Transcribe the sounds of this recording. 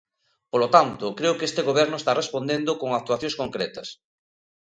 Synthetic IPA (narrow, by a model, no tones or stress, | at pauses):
polot̪ant̪ʊkɾeokest̪eɣoβ̞ɛɾnʊest̪arespond̪end̪okoŋak̚t̪waθjõskoŋkɾet̪ɐs